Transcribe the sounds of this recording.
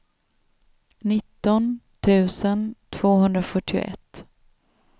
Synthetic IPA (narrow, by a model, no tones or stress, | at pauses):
nɪt̪ːɔnt̪ʰʉ̟ːsənt̪ʰv̥oːɦɵnd̪ɾafœʈːɪʊ̰ʔɛ̰t̪ː